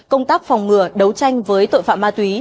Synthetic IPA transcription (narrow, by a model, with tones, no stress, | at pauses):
kə˧wŋ͡mt̪aː˦˥k̚fɔ˨˩wŋ͡mŋɨ˨˩əɗə˨˦wt͡ɕa˧jŋ̟vəː˨˦jt̪o̰˧˨jfa̰ː˧˨maː˧t̪wi˨˦